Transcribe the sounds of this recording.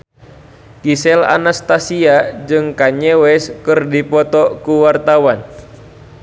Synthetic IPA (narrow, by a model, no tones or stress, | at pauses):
kisɛla̰nast̪asiad͡ʒɨŋkaɲɛwɛskɨrdipɔt̪ɔkuwart̪awan